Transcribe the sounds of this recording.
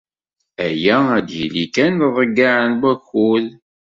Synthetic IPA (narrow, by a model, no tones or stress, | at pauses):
æjææd̪jilikænðˤəɡːaʕənwæxul